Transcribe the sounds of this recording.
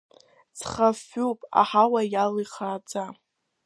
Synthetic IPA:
t͡sʰχafːuwpʼa̰ħawajaliχaːt͡sʼa

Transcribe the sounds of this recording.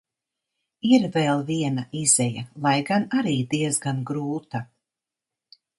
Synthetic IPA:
iɾvɛlˠviɛnaʔizɛjalˠajɡanaɾiːd̪iɛzɡanɡɾuːt̪a

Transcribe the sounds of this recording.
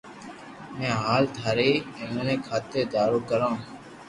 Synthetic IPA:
mẽːɦaːlt̪ʰaːɾeːẽmə̃ːnẽːkʰaːt̪eːd̪aːɾoːkəɾãː

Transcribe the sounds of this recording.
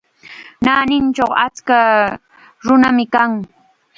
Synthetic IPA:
naːnɪnt͡ʃoχa̰t͡ska | ɾʊnamɪkaŋ

